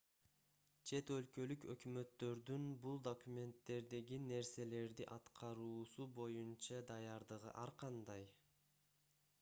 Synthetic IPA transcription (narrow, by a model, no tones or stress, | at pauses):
t͡ʃʰe̞t̪ø̞lkø̞lykøkmø̞t̪ːø̞ɾd̪ynbulˠd̪o̞kumʲe̞nt̪ːe̞ɾd̪e̞ɡine̞ɾse̞le̞ɾd̪iʔɑt̪qʰɑɾuːsubo̞junt͡ʃɑd̪ɑjɑɾd̪ɯʁɯ̰ʔɑɾqɑnd̪ɑj